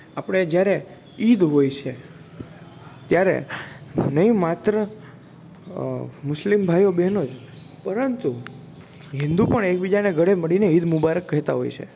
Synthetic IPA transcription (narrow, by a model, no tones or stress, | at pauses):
apəɽ̃ed͡ʒjaɾe | id̪ɦojt͡ʃʰe | t̪jaɾḛ | nəĩmat̪ɾə | mʊslimbʱajobɛnod͡ʒ | pəɾənt̪u | ɦɪ̃nd̪upəɳek̚bid͡ʒaneɡʱəɽeməɽineid̪mubaɾəkːəɦɛt̪a̰ɦo̰jt͡ʃʰḛ